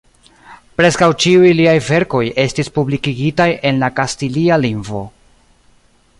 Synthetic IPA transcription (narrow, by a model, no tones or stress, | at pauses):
pɾe̞skawt͡ʃiujliajve̞ɾko̞je̞stispublikiɡitajʔe̞nlakastilialiŋvo̞̰